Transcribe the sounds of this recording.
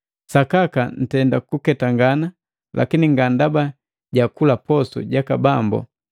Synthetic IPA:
sakakan̩tɛndakukɛtaŋɡana | lʔa̰kiniŋɡandaba | ɟakulapɔsṵɟakabambɔ̰

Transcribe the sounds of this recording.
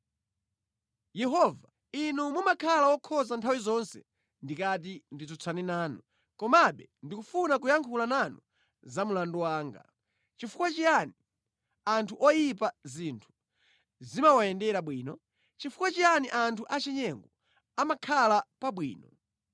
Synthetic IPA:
jɛɦɔva | inumumakʰalawɔkʰɔzantʰawizɔnsɛ̰ | ndikat̬indizɔt͡sʰaninaːnɔ | kɔmaɓɛndikufunakujaŋkʰulananu | zamulanduwaːŋɡa̰ | t͡ʃifukwat͡ʃiani | antʰuʔɔjip̬azintʰu̥ | zimawaɛndɛɾaɓwiːnɔ | t͡ʃifukwat͡ʃijaniʔantʰuʔat͡ʃɛɲɛŋɡɔ | amakʰalapaɓwḭːnɔ

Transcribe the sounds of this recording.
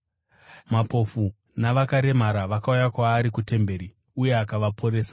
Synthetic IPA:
mapo̞fu | naʋakaɾe̞maɾaʋakaujakwaːɾikute̞mbe̞ːɾi | uje̞akaʋapʰo̞ɾeːsḁ

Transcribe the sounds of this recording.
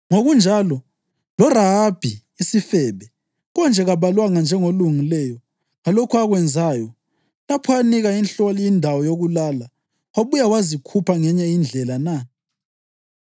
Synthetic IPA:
ŋoɣund͡ʒʱalɔ | lɔraɦab̥ʱi | isifɛβɛ | ɣɔnd͡ʒʱɛɣaβalwaŋand͡ʒʱɛŋoluŋilɛjɔ | ɣalokʰuaɣwɛnd͡zʱajɔ | lapʰɔaniɣainɬɔliindʱawɔjoɣulala | aβujawazikʰupʰaŋɛɲɛind͡ɮʱɛlana

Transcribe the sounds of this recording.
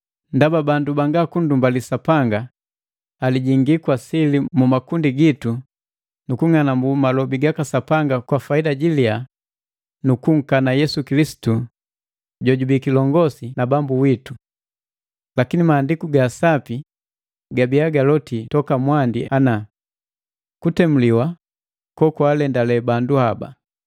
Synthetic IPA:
ndababandubaŋɡakundumbalisapaŋɡaː | liɟiŋɡikwasilimumakundiɡitu | nukuŋanambumalɔbiɡakasapaŋɡakwafaidaɟilia | nukuŋ̩kanajɛsukilisi̥tu | ɟɔɟubikilɔŋɡɔsinabambuwitu | lakinimaːndikuɡasapi | ɡabiaɡalɔtitɔkamwandiana | kutɛmuliwa | kɔkwalɛndalɛbanduhaba̰

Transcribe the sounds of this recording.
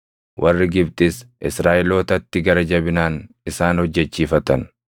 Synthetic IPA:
wʔɐrːɪɡɪb̚t̪ʼɪsʔɪsɾaːʔɪlo̞ːt̪ɐt̪ːɪɡɐɾɐd͡ʒɐbɪnaːn | ɪsaːnhɔd͡ʒːɛt͡ʃːiːfɐt̪ɐn

